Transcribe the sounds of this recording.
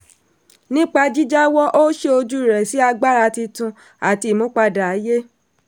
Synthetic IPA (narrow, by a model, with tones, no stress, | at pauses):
nĩ˦k͡pa˧d͡ʒi˦d͡ʒa˦wɔ˦ʔo˦ʃe˦o˧d͡ʒu˦˨ɾɛ˨si˨˦a˧ɡ͡ba˦ɾa˧ti˧tũ˧ | a˨ti˧˨mõ˦k͡pa˧da˨a˨˦je˦